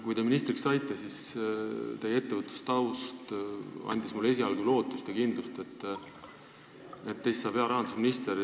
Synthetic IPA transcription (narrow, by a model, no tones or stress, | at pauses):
kujt̪eminist̪ɾiksɑjt̪ːˑɑsis | t̪e̞jee̞t̪ːevɤt̪ːˑu̥st̪ɑwst̪ɑ̰nʲd̪̥ʲismulːe̞s̬ʲiɑlɡulo̞ːt̪ːˑust̪ekind̪lust̪e̞t̪ːˑ | et̪ːejssɑːb̥eɑɾɑɦɑnd̪usminist̪eɾ